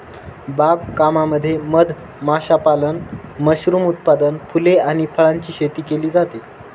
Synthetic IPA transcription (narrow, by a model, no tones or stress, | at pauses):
bab̚kamaməd̪ʱːjeməd̪ʱ | maɕapalənməɕɾuːmut̪̚pad̪ənfʰuleaɽ̃ipʰəɭaɲt͡ɕiːɕet̪iːkeliːd͡zat̪e